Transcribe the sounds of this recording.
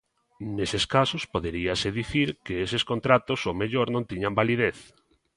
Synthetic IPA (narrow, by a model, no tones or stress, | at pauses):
neseskasospoðeɾiaseðiθiɾkeesɪskont̪ɾat̪osomeʎoɾnõnt̪iɲambaliðeθ